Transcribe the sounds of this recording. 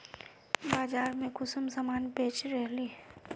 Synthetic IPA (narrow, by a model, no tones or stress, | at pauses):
baːd͡ʒaːɾmẽkʊsəmsəmaːnpeːt͡ʃɾɛɦli